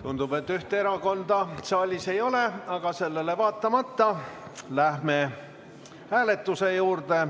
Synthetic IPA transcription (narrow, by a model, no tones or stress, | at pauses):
t̪und̪̥ub̥e̞t̪ːyht̪eeɾɑko̞nd̪ɑsɑlʲːise̞jo̞le̞ɑɡ̥ɑse̞lːe̞le̞vɑːt̪ːˑɑmɑt̪ːɑlæhme̞ | hæːle̞t̪ːˑuse̞juːrd̪e̞